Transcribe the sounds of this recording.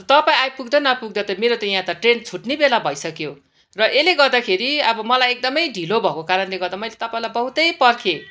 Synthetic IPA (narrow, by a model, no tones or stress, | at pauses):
t̪ʌpaĩajpuɡd̪ʌnʌpuɡ̚d̪ʌt̪ʌmeɾot̪ʌjãt̪ʌʈrent͡sʰuʈnebelabʱʌjsʌkjo | rʌʔeleɡʌrd̪akʰeɾiʌbʌmʌlajek̚d̪ʌmʌjɖʱilobʱʌkokaɾʌnleɡʌɾd̪amʌjlet̪ʌpaĩlajbʌɦut̪ʌjpʌrkʰe